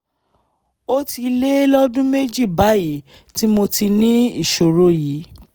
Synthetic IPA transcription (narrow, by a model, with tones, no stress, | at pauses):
o˦ti˧le˦lɔ˦dũ˦me˦d͡ʒi˦˨ba˨˦ji˨˦ | ti˦mo˧ti˧nĩ˦i˦˨ʃo˨ɾo˦ji˨˦